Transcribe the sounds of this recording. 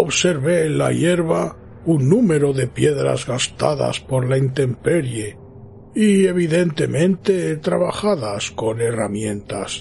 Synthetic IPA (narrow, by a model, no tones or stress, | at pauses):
o̞βse̞ɾβeːnla̰je̞ɾβa | unːume̞ɾo̞ðe̞pje̞ðɾa̰zɣast̪aða̰spo̞ɾlaint̪e̞mpe̞ɾje | ie̞βiðe̞nt̪e̞mẽ̞nt̪e̞t̪ɾaβaxaðasko̞ne̞ramjẽ̞nt̪as